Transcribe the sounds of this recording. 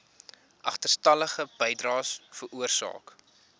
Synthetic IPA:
ʔɐχtərstɐləχəb̥əjdrɑːsfəɾʔuərsɑ̰ːk

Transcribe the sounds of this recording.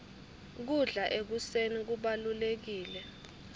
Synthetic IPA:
k̬uɮaʔek̬usenik̬uɓalulek̬iːlɛ

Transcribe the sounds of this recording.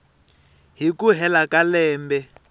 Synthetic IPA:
ɦikuɦɛlakalɛːmbɛ

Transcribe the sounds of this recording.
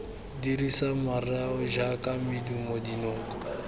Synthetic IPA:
diɾisamarɛaʊʒakʼamidumodinoːŋkʼɔ

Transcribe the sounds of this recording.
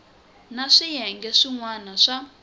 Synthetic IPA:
naʂijɛŋɡɛʂiŋwanaʂa

